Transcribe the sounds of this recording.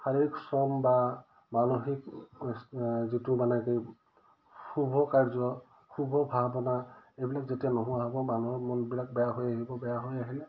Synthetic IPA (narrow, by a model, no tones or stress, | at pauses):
haɹiksɔmba | manoxik | zitumanakej | kʰubʱɔkaɹzɔ | kʰubʱɔbʱabɔnaejbilakzetijanɔɦũaɦɔbɔmanuɔmɔnbilak̚bɛjaɦojaɦibɔbɛjaɦojaɦilɛ